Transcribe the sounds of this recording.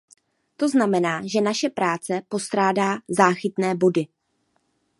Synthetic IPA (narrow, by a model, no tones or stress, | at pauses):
t̪o̞znamɛnaːʒɛnaʃɛpɾaːt͡sɛpo̞st̪ɾaːdaːzaːxɪt̪nɛːbo̞dɪ